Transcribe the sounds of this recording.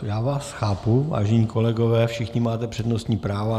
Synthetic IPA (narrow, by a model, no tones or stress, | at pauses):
jaːvaːsxaːpuva̰ːʒɛɲiːkolɛɡovɛːfʃɪxɲɪmaːt̪ɛpr̝̥ɛdnost̪ɲiːpɾaːvo